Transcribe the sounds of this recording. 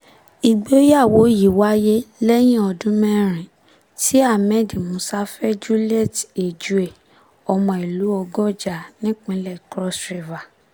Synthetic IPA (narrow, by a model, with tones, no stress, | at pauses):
i˨ɡ͡be˨˦o˦ja˦˨wo˨˦ji˨wa˦je˦lɛ˦j̃ĩ˦ɔ˧dũ˦mɛ̃˦ɾ̃ĩ˨ | ti˦a˦˨mɛ̃˦˨di˨mõ˨˧˦sa˦fɛ˦d͡ʒu˦lɛ˦˨te˨d͡ʒu˨˦e˨ | ɔ˧mɔ̃˧˨i˨lu˨˦ɔ˧ɡɔ˦˨d͡ʒa˨nĩ˦k͡pĩ˨˦lɛ˦˨kɾɔ˦sɾi˨va˨